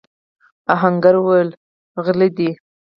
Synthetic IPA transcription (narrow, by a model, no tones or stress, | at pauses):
aɦaŋɡaɾwəl | ɣlid̪i